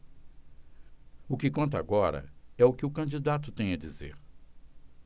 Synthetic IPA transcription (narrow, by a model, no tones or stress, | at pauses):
ʊkɪkõnt̪ɐa̰ɡɔɾɐ̰ɛʊkɪʊkɐ̃nd͡ʒid̪at̪ʊt̪ẽj̃ɐd͡ʒizḛɾ